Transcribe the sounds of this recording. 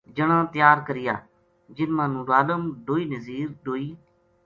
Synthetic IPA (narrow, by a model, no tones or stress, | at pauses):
d͡ʒəɽ̃ãːt̪ɪjaːɾkəɾɪja̰ː | d͡ʒɪnmãːnũːɾaːləmɖoːiːnəziːɾɖoːiː